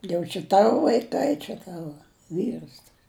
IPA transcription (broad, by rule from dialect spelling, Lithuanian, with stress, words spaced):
jɛʊ t͡ʃʲɛ ˈtɑːʋoː ʋɐɪˈkɐɪ t͡ʃʲɛ ˈtɑːʋɐ ˈʋʲiːrs tɐs